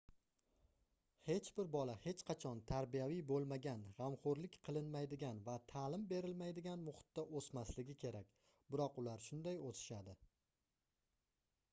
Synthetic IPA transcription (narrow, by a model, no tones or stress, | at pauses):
he̞t͡ʃbɪɾbɒlahe̞t͡ʃqʰɑt͡ʃʰɒnt̪ʰaɾbijavijbolˠmaɡʲanʁamχoɾlɪkʲqʰɨlˠɪnmajd̪ɪɡʲanvat̪ʰaːlɪmbe̞ɾɪlmajd̪ɪɡʲanmʊχʊ̥t̪ːaʔosmaslɪɡʲɪkʲʰe̞ɾakʲ | bɪɾɒqʊlaɾʃʊnd̪ajot̪ʰɪ̥ʃad̪ɪ